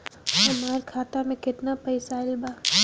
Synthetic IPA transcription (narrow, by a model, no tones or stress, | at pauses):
ɦɐmaːɾkʰaːt̪amẽkɪt̪napɐɪsaːlbaː